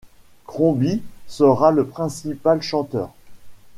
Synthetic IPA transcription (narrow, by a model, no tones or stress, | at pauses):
kχɔ̃bisəʁaləpχɛ̃sipalʃɑ̃t̪œ̰ːʁ